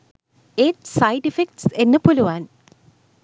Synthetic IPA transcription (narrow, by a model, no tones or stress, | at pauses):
eːʈsɐjʈifek̚ʈsenːepoluʋaːn